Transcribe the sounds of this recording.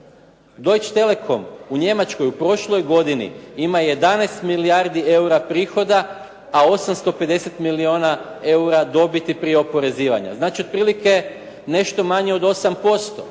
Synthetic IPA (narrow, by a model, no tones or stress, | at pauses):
d̪o̞jt͡ʃt̪e̞le̞kʰo̞muɲe̞mat͡ʃko̞jupɾo̞ʃlˠo̞jɡo̞d̪inḭimaje̞d̪anejst̪milijaɾd̪ie̞uɾapɾiːxo̞d̪aː | o̞samst̪o̞pe̞d̪e̞se̞t̪milio̞ːna | e̞uɾad̪o̞bit̪ipɾieo̞po̞ɾe̞ziːʋa̰ɲa̰znaːt͡ʃio̞d̪̚pɾiːlike̞ | ne̞ʃt̪o̞maɲeo̞d̪o̞sampo̞st̪o